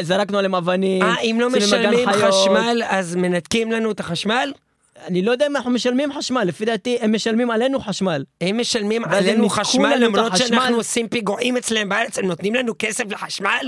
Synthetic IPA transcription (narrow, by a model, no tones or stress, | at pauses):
zaɾˤaknualemavaniːmʔimlommaɡaniajaʃmalʔazmenat̪kimlanut̪axaʃmal | anilojd̪aimnaħnumeʃalmimħaʃmalːefid̪aːt̪iemːeʃalmimʕalenuxaʃmalhemːeʃalmimvalenuaʃmalamɾoʃalnusimpiɡoʕimet͡slehembʕaɾet͡shemnot̪nimlanukesefleħaʃmal